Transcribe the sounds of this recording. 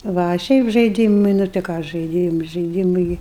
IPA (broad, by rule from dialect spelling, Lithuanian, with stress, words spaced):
ˈʋɐ ɐ ˈʃʲɛɪp ʒɐɪˈdʲiːmɨɪ nʊ tɐɪ ˈkɑː ʒɐɪˈdʲiːm ʒɐɪˈdʲiːmɨɪ